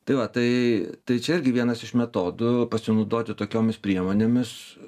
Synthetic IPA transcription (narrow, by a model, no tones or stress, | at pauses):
t̪ɐɪʋɐt̪ɐɪt̪ɐɪt͡ʃʲɛɪɾʲɡʲɪʋʲiɛnɐsɪʃmʲɛt̪oːd̪ʊpɐsʲɪnɐʊd̪oːt̪ʲɪt̪oːkʲoːmʲɪspʲɾʲiɛmoːnʲeːmʲɪs